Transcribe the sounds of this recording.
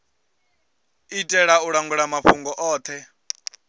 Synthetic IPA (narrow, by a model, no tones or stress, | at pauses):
itʼɛɺauɺaŋɡuɺamaɸuŋɡɔʔɔːt̪ʰɛ